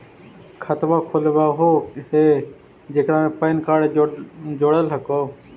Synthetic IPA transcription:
kʰət̪ʋakʰolʋaːɦoheː | d͡ʒeːkɾãẽpəːnkaːɽed͡ʒoːɽəlɦəkoː

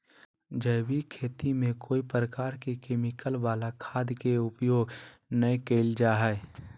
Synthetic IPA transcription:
d͡ʒəɪbikʰeːt̪imẽkoːipɾəkaːɾkekeːmɪkəlʋaːlakʰaːd̪jkeʊpjoːɡnəjkeːld͡ʒaːɦɛ

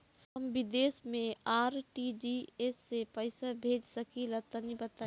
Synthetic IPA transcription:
ɦɐmʋɪd̪eːsmẽaːɾʈid͡ʒiesːepɐɪsabʱeːd͡ʒsɐkilɐt̪ɐnibɐt̪aː

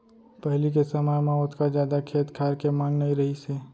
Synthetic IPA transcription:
pəɦlik̬esəmajmãʊt̪kazjaːd̪akʰeːt̪kʰaːɾkemaːŋnɐɦĩɾɐɦiseː

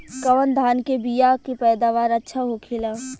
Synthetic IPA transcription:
kɐʋənd̪ʱaːnkebijakepɛːd̪aːʋaːɾətːʃʰaɦokʰɪlaː

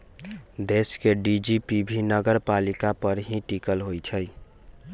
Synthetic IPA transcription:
d̪eskeɖid͡ʒipibʱinəɡəɾpalikapəɾɦĩʈikəlɦojt͡ʃʰəj

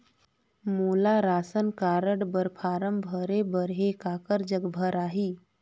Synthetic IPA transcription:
muːlaɾaːsənkaːɾəɽbəɾpʰaːɾəmbʱəɾebəɾɦekaːkəɾd͡ʒəɡbʱəɾaːɦiː

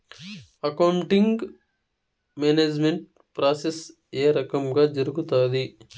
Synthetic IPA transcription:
ɐkɐwɳʈiŋɡ | meːneːd͡ʒmeɳʈ | pɾaːses | eːɾɐkɐmɡaːd͡ʒɐɾuɡut̪aːd̪i

